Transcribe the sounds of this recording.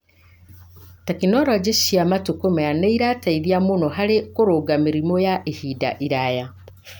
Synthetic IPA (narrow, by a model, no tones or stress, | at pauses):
takinɔɾɔd͡ʒeʃiamatukomeaneiɾataiðiamonɔɦaɾekoɾoɡameɾimɔjaʔehida̰ʔiɾaja